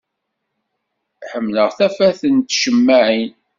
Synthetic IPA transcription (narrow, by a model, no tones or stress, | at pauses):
ħəmːləʁθæfæθənt̪ʃəmːæʕin